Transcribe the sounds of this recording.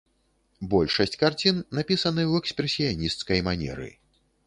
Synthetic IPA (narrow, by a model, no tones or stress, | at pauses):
bɔlʲʂɐsʲt͡sʲkart͡sʲinːapʲisɐnɨwɛkspɾɛsʲijanʲist̪skɐjmanʲɛ̰ɾɨ̰